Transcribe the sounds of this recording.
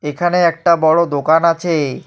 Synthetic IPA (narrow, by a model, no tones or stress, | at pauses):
ekʰaneɛk̚ʈabɔɽod̪okanat͡ɕʰe